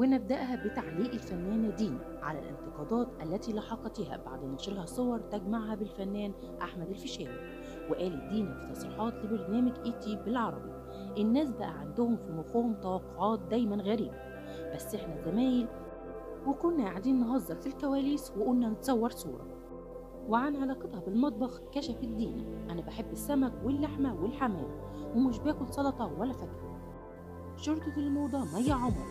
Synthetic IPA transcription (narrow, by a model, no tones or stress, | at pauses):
wenːæb̚d̪æʔɦæbɪt̪aʕliːʔɪlfænːæːnd̪iːnæ | ʕa̰læ̰lʔɪ̰nt̪ɪqɑːd̪ˤɑːt̪ʔælːæt̪iːlɑħɑqɑt̪iːhæ̰ba̰ʕd̪mæʔɑʃɾihɑsˤːowɑɾˤt̪æɡmaʕhæbɪlfænːæːn | ʔa̰ħmæd̪ælfɪʃæːwi | weʔæːlid̪iːnæfit̪ːɑsˤɾiːħɑːt̪lɪbɪɾnæːmɪɡʔiːt̪iːbɪlʕɑɾˤɑ̰bi | ʔɪnːæːsbæʔæʕand̪ʊhʊmfiwʊfohʊmt̪ɑwɑqːoʕɑːt̪̚d̪æjmænɣæɾiːbæ | b̥æsːʔeħnæzæmæːjɪl | wɪkʊnːæʔaʕd̪iːnːɦɑzˤːɑfilkæwæːliːsweʔʊnːænɪt̪sˤɑwːɑɾˤsˤṵːɾˤɑ̰ | wɪʕanʕɑlɑːqɑt̪hɑbɪlmɑt̪̚ˤbɑxkæʃæfɪd̪ːiːnæ̰ʔænæbaħebːɪsːæmækwɪlːaħmæwɪlħamæ̰ːl | wɪmuʃbæːkʊlsˤɑd̪ɑt̪ˤɑwælːæfækɾ | ʃoɾˤt̪ɑfilmoːd̪ˤɑmæjːaʕomɾ